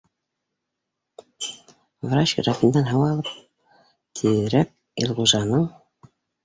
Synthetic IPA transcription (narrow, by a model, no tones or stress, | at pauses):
vɾat͡ɕɡɾafind̪ɑnɦɑwɑlˠɤp̚ | t̪ʰiðɘɾæk̚ | ḭlˠʁuʒɑnɤɴ